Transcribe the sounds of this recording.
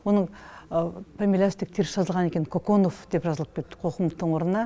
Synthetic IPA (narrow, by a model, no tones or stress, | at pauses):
wonəɴ | pʰamʲilʲast̪ek̚t̪ʰeɾsɑzəlˠʁɑne̞kʲe̞nkʰoko̞nofd̪̥e̞pʒɑzəlˠəpkʲʰet̪ːɪ̥qʰo̞qəmt̪ːəɴwo̞ɾənənɑ